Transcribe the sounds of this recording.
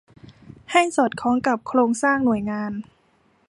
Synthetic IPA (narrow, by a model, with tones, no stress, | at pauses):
ha˥˩jsɔː˨˩t̪̚kʰɔː˩˦ŋka˨˩p̚kʰɾoː˧ŋsaː˥˩ŋnu˨˩əjŋaː˧n